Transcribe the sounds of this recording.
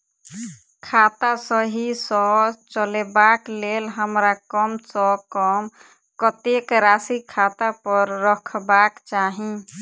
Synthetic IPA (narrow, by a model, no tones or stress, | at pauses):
kʰat̪asəɦisɔt͡ʃəlebaklelɦəmɾakəmsɔkɔm | kət̪ekɾasikʰat̪apəɾːəkʰbakt͡ʃaɦĩ